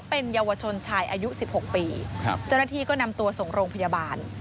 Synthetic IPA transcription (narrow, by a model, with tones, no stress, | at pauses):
pe˧njaː˧wa˧t͡ɕʰo˧nt͡ɕʰaː˧jʔaː˧ju˦˥si˨˩p̚ho˨˩k̚pḭː˧t͡ɕa˥˩wnaː˥t̪ʰiː˧kɔː˥˩na˧mt̪u˧ɐso˨˩ŋɾoː˧ŋpʰa˧ja˧baː˧n